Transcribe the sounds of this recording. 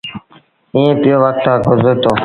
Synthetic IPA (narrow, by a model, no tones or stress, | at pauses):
iːẽːpɪjoːʋək̚t̪ãːɡʱʊzəɾt̪oː